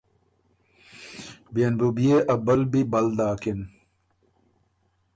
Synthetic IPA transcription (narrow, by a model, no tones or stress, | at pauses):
bijɐnbubijeʔɐbɐlbibɐld̪aːkin